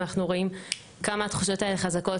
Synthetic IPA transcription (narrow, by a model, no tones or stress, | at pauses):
naχnuʁo̞im | kamaːt̪χuʃo̞taeleχazako̞